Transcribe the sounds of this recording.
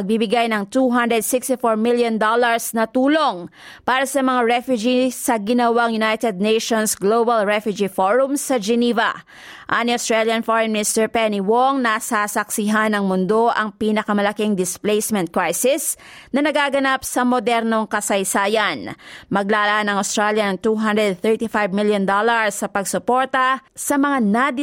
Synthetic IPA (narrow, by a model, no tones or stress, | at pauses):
ɐɡ̚bibɪɡajnɐŋt̪uɦand̪ɾɛd̪̚sɪkst̪ɪfoɹmɪljond̪olɐɹsnɐt̪uːlo̞ŋpaːɾɐsɐmɐŋaɹɛfjʊd͡ʒisɐɡɪnɐwaŋjʊnajt̪ɛd̪̚nejʃonsɡlobɐlɹɛfjʊd͡ʒifoɹʊmsɐd͡ʒɛnivɐ̰ | ʔaniɐʊst̪ɹaljɐnfoɹɛnmnɪst̪ɛɹpɛniwoŋnɐsasɐksɪɦanɐŋmʊnd̪o̞ʔɐŋpiːnɐkɐmɐlɐkiŋd̪ɪsplejsmɛ̃nt̪̚kɹajsɪsnɐnɐɡaːɡɐnapsɐmod̪ɛɾno̞ŋkɐsɐjsaːjɐnmɐɡ̚laːlɐʔanɐŋowst̪ɾaljɐnɐŋt̪uɦand̪ɹɛd̪̚θɛɹt̪ifajvmɪljond̪olɐɹsɐpɐɡsʊpo̞ɹt̪ɐsɐmɐŋanad̪